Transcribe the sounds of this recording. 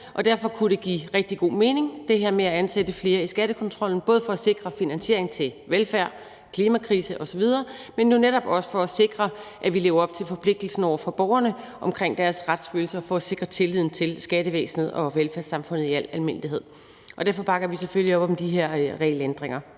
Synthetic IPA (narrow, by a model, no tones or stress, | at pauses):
ʔɒ̽d̥æɐ̰fɒ̽kʰuɾe̝ɡ̥ḭːʁɛɡ̥̚d̥iɡ̥o̝̰ːme̝ːne̝ŋd̥e̝ɦeɐ̰meæænsed̥əfle̝ːɐisɡ̥æɾ̥əkʰɒ̽nt͡sʰʁɒ̽l̰n̩b̥ɔ̽ːð̞ˠfɒ̽æse̝ɡ̥ʁɐfinænsɕe̝ɐ̰eŋt͡sʰe̝lʋelfæɐ̰ | kʰliːmækʰʁiːsəʔɒ̽sɒ̽ʋið̞ˠɐːmenːuneɾ̥ɒ̽b̥ɒ̽sə̥fɒ̽æse̝ɡ̥ʁɐʔæʋile̝ːʊɐɒ̽b̥̚t͡sʰe̝lfɒ̽pʰle̝ɡ̥̚d̥l̩sn̩ɒʊɐfɒ̽b̥ɒʊɐnə | ʔɒ̽mkʰʁeŋ̰d̥æɐsʁad̥sføːl̩sɐɒfɔ̽ːse̝ɡ̥ʁɐt͡sʰe̝lið̰ˠn̩t͡sʰe̝lsɡ̥æɾəʋḛːsn̩hð̩ˠɒ̽ʋelfæɐsɑ̈mfɔ̽n̰ð̞̩ˠiæl̰ælme̝n̰d̥iɦe̝ð̰ˠ | ɒ̽d̥æɐfɒ̽b̥ɑ̈ɡ̥ɐʋiseføljiɒ̽b̥ɒ̽md̥iɦeɐ̰ʁɛlend̥ʁeŋ̰ɐ